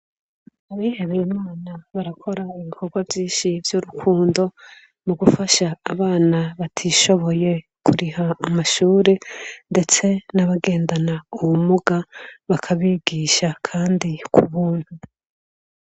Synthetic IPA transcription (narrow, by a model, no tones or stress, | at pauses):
aβiheβimaaːnaβaɾakʰo̞ɾaiβikʰo̞ɡwavjiːʃivjuɾukʰuːndo̞ | muɡufaʃaːβaːnaβatʰiʃo̞βo̞je̞ | kʰuɾihaːmaʃuːɾende̞t͡se̞naβaɡe̞ːndanauwumuɡaβakʰaβiɡiːʃakʰaːndikʰuβuːn̥hu